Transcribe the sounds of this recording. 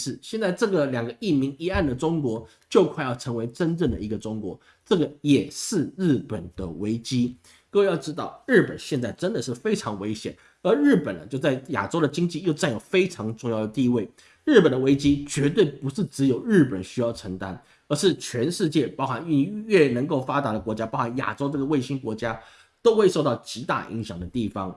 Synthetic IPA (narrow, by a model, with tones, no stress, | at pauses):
ʂɻ̩˥˩ɕjɛ˥˧nt͡sa˥˧ɪʈ͡ʂɤ˥˩ɡə˩ljɑ˨˩ŋɡə˦i˥˩mi˧˥ŋi˧˥a˥˩nd̪ə˩ʈ͡ʂʊ˥ŋkwɔ˧˥ | t͡ɕjo˥˧ʊkʰa˥˧ɪjɑ˥˩ʊʈ͡ʂʰɤ˧˥ŋwe˧˥ɪʈ͡ʂə˥nʈ͡ʂɤ˥˩ŋd̪ə˩i˧˥ɡə˧ʈ͡ʂʊ˥ŋkwɔ̰˧˥ | ʈ͡ʂɤ˥˩ɡə˩jɛ˨˩ʂɻ̩˥˧ɻɻ̩˥˩pə˨˩nd̪̥ə̰˦we˧˥ɪt͡ɕi˥ | kɤ˥˧we˧jɑ˥˩ʊʈ͡ʂɻ̩˥t̪ɑ˥˩ʊɻɻ̩˥˩pə̰˨˩nɕjɛ˥˧nt͡sa˥˩ɪʈ͡ʂə˥nd̪ə˨ʂɻ̩˥˩fe˥ɪʈ͡ʂʰɑ˧˥ŋwe˥ɪɕjɛ˨˩n | ə˞˧˥ɻɻ̩˥˩pə˨˩nə˦t͡ɕjo˥˧ʊt͡sa˥˩ɪja̰˨˩ʈ͡ʂo˥ʊɾə˨t͡ɕi˥ŋt͡ɕi˥˧jo˥˧ʊt͡sa˥˩njo˨˩ʊfe˥ɪʈ͡ʂʰɑ˧˥ŋʈ͡ʂʊ˥˧ŋjɑ˥˩ʊd̪ə˩t̪i˥˧we˥˩ɪ | ɻɻ̩˥˩pə˨˩nd̪ə˦we˥ɪt͡ɕi˥t͡ɕɥɛ˧˥t̪̬we˥˩ɪpu˧˥ʂɻ̩˥˩ʈ͡ʂɻ̩˧˥jo˨˩ʊɻɻ̩˥˩pə˨˩nɕy˥jɑ˥˩ʊʈ͡ʂʰɤ˧˥ŋt̪a˥n | ə˞˧˥ʂɻ̩˥˩t͡ɕʰɥɛ˧˥nʂɻ̩˥˧t͡ɕjɛ˥˩pɑ˥ʊxa˧˥˦ny˥˧nɥɛ˥˩nə˧˥ŋko˥˩ʊfa˥t̪a˧˥d̪ə˧kwɔ˧˥t͡ɕja˥pɑ˥xa˧˥nja̰˨˩ʈ͡ʂo˥ʈ͡ʂɤ˥˩ɡə˩we˥˩ɪɕi˥ŋkwɔ˧˥t͡ɕja˥ | t̪o˥ʊxwe˥˧ɪʂo˥˧ʊt̪ɑ˥˩ʊt͡ɕi˧˥t̪a̰˥˧ʔḭ˧˥ŋɕjɑ̰˨˩ŋd̪ə˦t̪i˥˩fɑ˥ŋ